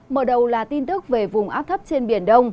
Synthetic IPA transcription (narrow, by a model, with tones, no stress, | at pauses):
məː˨˩ɗə˨˩wlaː˨˩t̪i˧nt̪ɨ˦˥k̚ve˨˩vʊ˨˩ŋ͡mʔaː˦˥p̚t̪ʰə˦˥p̚t͡ɕe˧nɓi˧˩ənɗə˧wŋ͡m